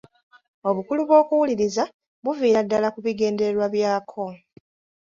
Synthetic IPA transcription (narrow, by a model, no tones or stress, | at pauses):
o̞βukuluβwo̞ːkuwuliɾiza | βuviːɾadːalakuβiɡe̞ːnde̞ɾwaβjaːkʰo̞